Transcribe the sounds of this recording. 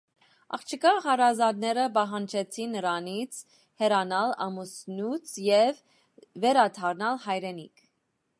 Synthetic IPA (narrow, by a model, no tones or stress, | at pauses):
ɑ̰χt͡ʃʰəkɑχɑɾɑzɑd̪nɛɾəbɑɦɑnt͡ʃʰɛt͡sʰinːəɾɑnit͡sʰ | hɛɾɑnɑlɑ̰musnut͡sʰjɛvː | ɛɾɑt̪ʰɑɾnɑlhɑjɾɛnikʰ